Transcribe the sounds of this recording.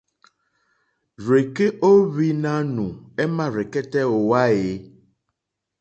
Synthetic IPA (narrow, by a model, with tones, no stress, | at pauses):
ɾe˨ke˦ʔo˦βi˦nã˦nũ˨e˦mã˦ɾe˨kɛ˦t̪ɛ˦wo˨wa˦e˨